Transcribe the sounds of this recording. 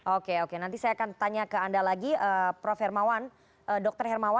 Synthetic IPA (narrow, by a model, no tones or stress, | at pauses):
okeokenant̪isajaːkant̪aɲakəandalaɡiəːpɾɔfɛrmawan | ʔədɔk̚t̪ərɦɛrmawa